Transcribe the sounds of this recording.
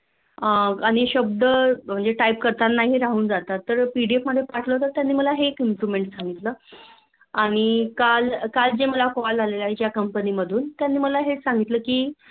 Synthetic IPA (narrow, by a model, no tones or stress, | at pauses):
əaɽ̃iɕəb̚d̪əm̤əɳd͡zeʈaip̚kəɾt̪anːaɦiɾaɦuːnd͡zat̪at̪ːəɾpiɽiepməd̪ʱːjepaʈʰləɦot̪ət̪ːjanːiːməlaɦeːkimpɾuʋmeɳʈsãŋɡit̪ləː | aɽ̃ikalkald͡ʑeməlakɔld͡zalelait͡ɕjakəmpəniːməd̪ʱuːnt̪janːiːməlaɦesaŋɡit̪ləːkiː